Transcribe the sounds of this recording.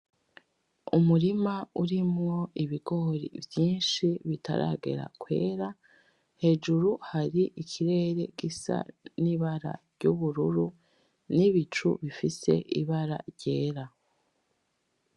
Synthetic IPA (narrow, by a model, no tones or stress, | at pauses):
umuɾimauɾimŋo̞ʔiβiɡo̞ɾḭvjiːnʃiβita̰ɾʔa̰ːɡe̞̰ɾa̰kwe̞ːɾa | he̞ːd͡ʒuɾuhaɾiʔikʰiɾe̞ːɾe̞̰ɡ̥isa̰niβaɾa̰ɾɟuβuɾuɾu | niβit͡ʃṵβifise̞̰ʔiβaɾa̰ɾɟe̞ːɾa